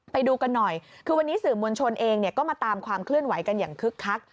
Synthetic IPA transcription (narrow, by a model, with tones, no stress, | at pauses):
pa˧jduː˧ka˧nːɔ˨˩jkʰɯː˧wa˧nːiː˦˥sɯː˨˩mu˧ənt͡ɕʰo˧nʔeː˧ŋni˥˩əkɔː˥˩maː˧t̪aː˧mkʰwaː˧mkʰlɯ˥˩ənwa˩˦jka˧njaː˨˩ŋkʰɯ˦˥kʰːa˦˥k̚